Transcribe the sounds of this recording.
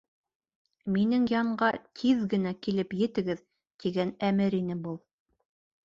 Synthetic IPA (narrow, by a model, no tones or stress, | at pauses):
minɘŋjɑɴɢɑt̪ʰiðɡɘ̆nækilɘpjɘ̆t̪ɘ̆ɡɘð | t̪iɡænæmɘɾinɘbulˠ